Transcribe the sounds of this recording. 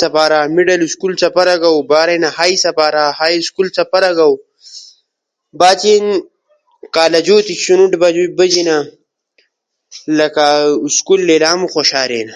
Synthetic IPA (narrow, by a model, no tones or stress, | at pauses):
sɐpaːɾaːmiɖɐluskulsɐpɐɾɐɡawbaːɾenahaːjisɐpaːɾahaːjskulsɐpɐɾɐɡaw | baːt͡ʃin | kaːlɐd͡ʒuːt̪iɕunuʈbad͡ʒubəd͡ʑina | lɐkaskulːelaːmuxoʃaːɾḛna